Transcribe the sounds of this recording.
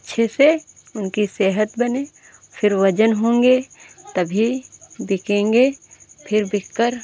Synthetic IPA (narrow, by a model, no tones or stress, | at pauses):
ɐtːʃʰese | ʊnkiseːɦət̪bɐne | pʰɪɾʋɐd͡ʒənɦõːŋɡet̪ɐbʱibɪkẽːŋɡepʰɪɾbɪkːəɾ